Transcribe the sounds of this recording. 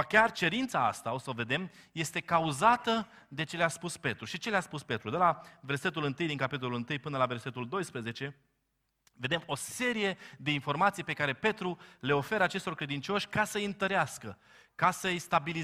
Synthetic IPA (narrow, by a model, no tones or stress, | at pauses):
akʲart͡ʃe̞ɾint̪saa̰st̪ao̞səove̞d̪e̞m | je̞st̪e̞kauzat̪ə | d̪e̞t͡ʃe̞leaspuspe̞t̪ɾuʃit͡ʃe̞leaspuspe̞t̪ɾud̪e̞lave̞rse̞t̪ulɨnt̪ɨjd̪iŋkapit̪olulɨnt̪ɨjpɨnəlave̞rse̞t̪uld̪o̞jspɾeze̞t͡ʃe̞ | ve̞d̪emo̞se̞ɾije̞d̪e̞info̞rmat̪sijpe̞kaɾe̞pe̞t̪ɾule̞o̞fe̞ɾəat͡ʃe̞st̪orkɾe̞d̪int͡ʃo̞ʃʲkasəjɨnt̪əɾeaskə | kasəjst̪abili